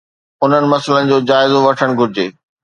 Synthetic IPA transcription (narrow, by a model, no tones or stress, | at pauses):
ʊn̤ənɪ̆mɐsələnɪ̆d͡ʑoːd͡ʑaːɪzoʋɐʈʰəɽ̃ɡʱʊɾɪd͡ʑeː